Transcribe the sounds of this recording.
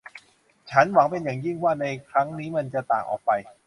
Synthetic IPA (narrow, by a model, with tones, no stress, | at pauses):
t͡ɕʰa˦˥nwa˩˦ŋpe˧njaː˨˩ŋji˥˩ŋwaː˥˩na˧jkʰɾa˦˥ŋniː˦˥ma˧nt͡ɕa˨˩t̪aː˨˩ŋʔɔ̰ː˨˩k̚pa˧j